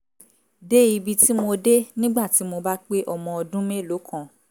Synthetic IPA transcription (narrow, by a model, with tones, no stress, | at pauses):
de˦i˧bi˧ti˦mo˧de˦nĩ˦ɡ͡ba˦˨ti˨˦mo˧ba˦k͡pe˦ʔɔ˧mɔ̃˧ɔ˧dũ˦mẽ˦˨lo˨˦kʰã˦˨